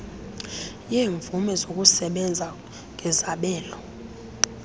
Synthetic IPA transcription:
jeːɱvumɛzokʼusɛɓɛnd͡zʱa | ŋʱɛzaɓɛːlɔ

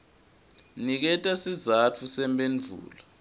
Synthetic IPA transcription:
nik̬ɛtʼasizat͡fʰusɛmbʼend͡ɮʱṵːla

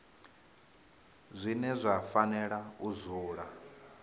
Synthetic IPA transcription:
zʷinɛzʷafanɛɺauzuːɺa

